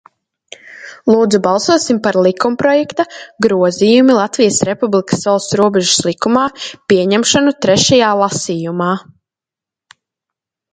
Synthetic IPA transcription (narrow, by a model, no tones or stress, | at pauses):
lˠuːd̪zubalˠsuɔsimpaɾlˠikumpɾɔjɛkt̪aɡɾuɔzijumilˠat̪vijəsɾepublˠikɐ̥svalˠst̪ɾuɔbɛʒu̥slˠikumaːpiɛɲɛmʃɔnut̪ɾɛʃajaːlˠasiːjumaː